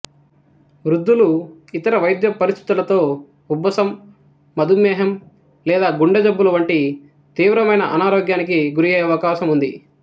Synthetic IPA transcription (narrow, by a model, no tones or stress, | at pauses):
ʋɾud̪ʱːuluit̪ɐɾɐʋɐjd̪jɐpɐɾist̪ʰi̥t̪ulɐt̪o̞ː | ubːɐsɐmː | ɐd̪umɛːɦɐm | lɛːd̪aːɡuɳɖɐd͡ʒɐbːulɐʋɐɳʈi | t̪iːʋɾɐmɐjnɐʔɐnaːɾoːɡjaːnik̬iɡuɾieːɐʋɐkaːʃɐmund̪i